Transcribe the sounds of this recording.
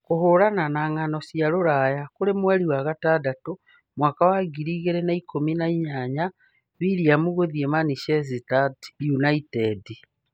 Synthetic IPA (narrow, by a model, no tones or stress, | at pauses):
kuhoɾananaːŋanosjaloɾajakulemweɾiwaɣatadato | mwaːkawaɡiɾiːɣeɾenaikominaiɲaɲa | βiɾiamuɣoðiemaniʃes̬itatjunaitedi